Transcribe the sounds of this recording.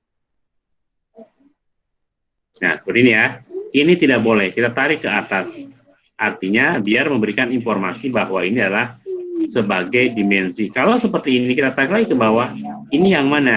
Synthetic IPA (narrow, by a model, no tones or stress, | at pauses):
na̰təudinijainit̪idak̚bolɛhkit̪at̪aɾɪkːəat̪as | ʔart̪iɲabiarməmbəɾikaninformasibaɦwainiadalahsəbaɡajdimɛnsikalawsəpərt̪iːninikit̪at̪aɾɪklaɡit̪ubawainijaŋmana